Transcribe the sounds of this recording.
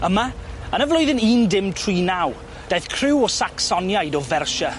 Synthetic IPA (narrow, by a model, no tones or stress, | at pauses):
əmaənəvlʊɨðɪniːndɪmtʰr̥iːnaw | d̥ajθkʰrɪwɔsaksɔnjajdɔvɛrʃa